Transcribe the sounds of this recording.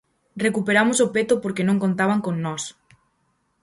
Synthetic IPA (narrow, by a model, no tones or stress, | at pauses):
rekupeɾamosopet̪opoɾkenõŋkont̪aβaŋkoŋnɔs